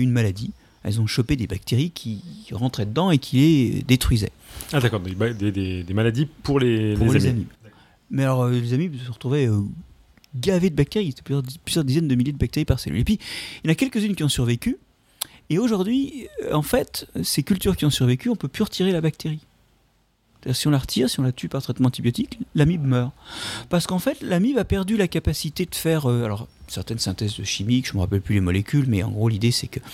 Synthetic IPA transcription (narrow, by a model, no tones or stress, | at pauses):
ynmalad̪i | ɛ̰lzɔ̃ʃɔped̪ebak̚t̪eʁikʲʰiʁɑ̃t̪χɛd̪əd̪ɑ̃ekʲʰiled̪et̪χɥizɛ̰ad̪akɔʁd̪̃ead̪ed̪ed̪emalad̪ipuʁlepueʁlaezami | mɛalɔʁølezamisəʁət̪χuvɛø | ɡaved̪əbak̚t̪eʁise̥t̪ɛ̥plyzjʁplyzjœʁd̪izɛnd̪əmiljed̪əbak̚t̪eʁipaʁsḛly̰lepɥiilnakʲɛlkəzynkʲiɔ̃syʁvekʲy | eoʒuʁd̪ɥiɑ̃fɛt̪sekʲylt̪yʁkʲiɔ̃syʁvekʲyɔ̃pøpyʁət̪ʰiʁelabak̚t̪eʁi | ssst̪ad̪iːʁsiɔ̃laʁət̪ʰiːʁsiɔ̃lat̪ypaʁt̪χɛt̪mɑ̃ɑ̃t̪ibjɔt̪iklamibmœːʁpaʁsə̥kɑ̃fɛt̪lamibapɛʁd̪ylakapasit̪ed̪əfɛʁøalɔʁsɛʁt̪ɛnsɛ̃t̪ɛzd̪əʃimikʒ̥əməʁapɛlplylemɔlekʲʰylmɛɑ̰̃ɡʁolid̪esɛkə